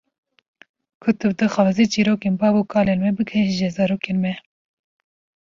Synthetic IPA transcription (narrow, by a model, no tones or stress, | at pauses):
kʰʊt̪ɨbd̪ɨxɑːzit͡ʃiːɾoːkeːnbɑːbokʰɑːleːnmɛbɨkʰɛʃʒɛzɑːɾoːkenmɛ